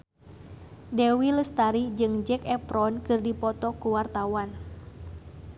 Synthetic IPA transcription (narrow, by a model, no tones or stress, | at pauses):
dɛwiləst̪aɾid͡ʒɨŋd͡ʒɛkɛpɾɔnkɨrdipɔt̪ɔkuwart̪awan